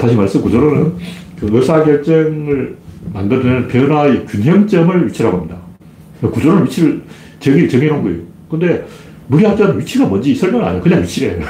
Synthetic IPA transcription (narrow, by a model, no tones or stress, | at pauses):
taɕʰimaɭs͈ɯmkud͡ʑʌɾonɯn | kɯɯs͈ʰaɡjʌɭt͡ɕ͈ʌŋɯɭmandɯɾɯnpeɯnaekjunɦeŋt͡ɕ͈ʌmɯɭɥit͡ɕʰiɾɦaɡoamɲida | ekud͡ʑʌɾoɯnɥit͡ɕʰiɾɯɭ | t͡ɕeŋit͡ɕeŋinonɡɯejo | kɯnde̞ | muɾiɦat͡ɕannɥit͡ɕʰiɡamʌnd͡ʑisʰʌɭmjʌŋa̰ɲijokɯɲaŋɥit͡ɕʰiɾeo